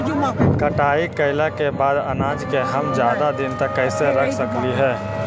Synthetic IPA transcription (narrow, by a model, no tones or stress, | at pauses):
kɐʈaːikəɪlakebaːd̪ɐnaːd͡ʒkeɦɐmd͡ʒjaːd̪ad̪ɪnt̪ɐkːɛːɪseɾɐkʰsəkliɦɛː